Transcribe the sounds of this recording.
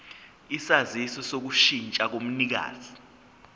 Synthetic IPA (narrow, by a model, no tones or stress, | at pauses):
isazisɔsok̬uʃint͡ʃʼak̬om̩nik̬a̰ːzi